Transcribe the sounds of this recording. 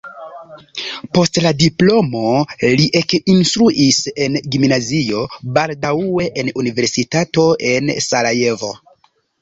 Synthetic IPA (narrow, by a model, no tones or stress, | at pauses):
po̞stladiplo̞mo̞liʔekinstɾuʔise̞nɡimnazio̞baldaue̞ʔenunive̞ɾsitato̞ʔe̞nsalaje̞vo̞̰